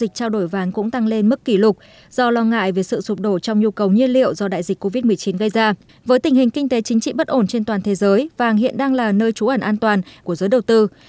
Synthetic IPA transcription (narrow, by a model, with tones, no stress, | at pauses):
zi˨˩k̟̚t͡ɕaː˧wɗo˧˩jvaː˨˦nkʊ̰˧˥ŋ͡mt̪a˧ŋle˧nmɨ˦˥k̚ːi˧˩lʊ˨˩k͡p̚ | z̥ɔ˧lɔ˧ŋa̰ː˧˨jve˨˩sɨ̰˧˨sʊ˨˩k͡p̚ɗo˧˩t͡ɕɔ˧wŋ͡mɲu˧kə˨˩wɲi˧ənlḭ˧˨əwzɔ˧ɗa̰ː˧˨jzï˨˩k̟ko˧vi˦˥t̚mɨ˨˩əjt͡ɕi˨˦nɣə˧jzaː˧ | vəː˨˦jt̪ï˨˩ŋ̟hï˨˩ŋ̟kï˧ŋ̟t̪e˨˦t͡ɕï˨˦ŋ̟t͡ɕḭ˧˨ɓə˦˥t̚ʔo˧˩nt͡ɕe˧nt̪waː˨˩nt̪ʰe˨˦zəː˨˦jvaː˨˩ŋɦḭ˧˨ənɗaː˧ŋlaː˨˩nəː˧jt͡ɕu˨˦ʔə˧˩nʔaː˧nt̪waː˨˩nku˧˩əzəː˨˦jɗə˨˩wt̪ɨ˧